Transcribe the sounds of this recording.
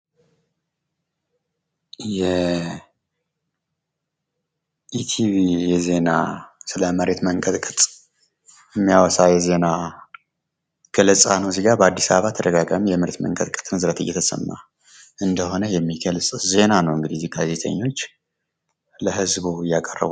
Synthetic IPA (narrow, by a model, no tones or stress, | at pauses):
jɛ | ʔit̪ʰiβijɛze̞nasɨləməɾe̞t̪məŋkʼət̪ʼkʼɨt̪ʼ | jɛmːijawɔsajɛze̞na | ɡ̥ələsʼa̰nəwziɡabəad̪ːisaβəβat̪ʰəɾəɡaɡamjɛmɨɾt̪mə̰ŋkʼət̪ʼkʼɨt̪ʼmɨzɾət̪ʰɨjːɛ̰t̪ʰəsə̰mːa̰ | ʔɨnd̪əɦo̞nəjɛmːiɡəlsʼze̞nanəwŋɡɨd̪iziɡaze̞t̪ʰə̰ɲːo̞t͡ʃː | ləɦɨzbujakʼərːə̰βu